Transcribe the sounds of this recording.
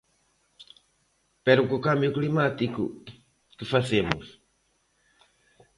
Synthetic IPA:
peɾukukambjuklimat̪ikṵ | kɨfasemṵs

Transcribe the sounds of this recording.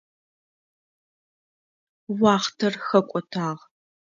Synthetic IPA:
wɑːχtʰɐrxɐkʷʼɔtʰaːʁ

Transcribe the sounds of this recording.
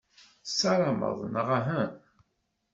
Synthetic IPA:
sɑɾˤɑmə̰ðˤnəʁaɦæ

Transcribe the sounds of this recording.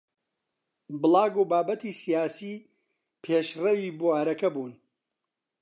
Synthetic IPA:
bɨlˠaːɡuːbaːbɐt̪iːsijaːsiː | pʰeːʃrɐwiːbuaːɾɐkɐbuːn

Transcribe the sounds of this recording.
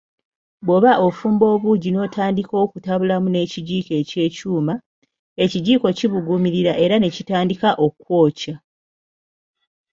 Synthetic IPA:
βwo̞βaʔofuːmbo̞ːβuːɟino̞ːtʰaːndiko̞ːkutaβulamune̞ciɟiːke̞ce̞ːcuːma | e̞ciɟiːko̞ciβuɡumiɾiɾaʔe̞ɾanecitaːndikaʔo̞kwo̞ːca

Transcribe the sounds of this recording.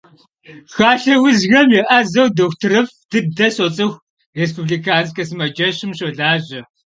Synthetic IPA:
xaːɬɐwʊzɣɐmjɛʔɐzɐwdoːxtʰɨɾɐfd̥ɨdɐsot͡sʼɨxʷ | res̬pubɮikaːnskɐsɨmɐd͡ʒɐɕɪmɕoɮaːʑɐ

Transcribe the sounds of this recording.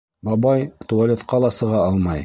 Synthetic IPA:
bɑbɑjt̪ualʲet̪qɑlˠɑsɤ̆ʁɑɑlˠmɑj

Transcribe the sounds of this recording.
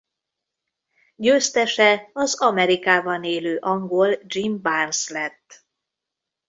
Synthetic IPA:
ɟøːst̪ɛʃɛɒzɒmɛɾikaːbɒneːløːʔɒŋɡold͡ʒimbanslɛt̪ː

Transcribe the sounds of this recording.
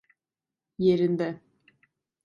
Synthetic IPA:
jeɾind̪ɛ

